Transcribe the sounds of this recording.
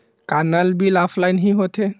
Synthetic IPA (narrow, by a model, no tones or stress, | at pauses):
kanalbilɔpʰlajnɦiɦot̪ʰɛ